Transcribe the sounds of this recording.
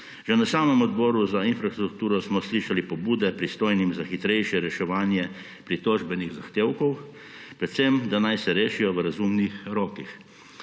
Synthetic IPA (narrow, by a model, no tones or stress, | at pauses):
ʒenasaːmɛmɔd̪bɔːɾuzainfɾast̪ɾuk̚t̪uːɾɔsmɔsliːʃalipɔbuːd̪ɛpɾist̪oːjnimzaxit̪ɾɛjʃjɛɾɛʃɛʋaːnjɛ | pɾit̪oːʒbɛniɣzaxt̪eːwkɔw | pɾɛt̪semd̪anajsɛɾeːʃijɔʋəɾazumnixɾɔːkix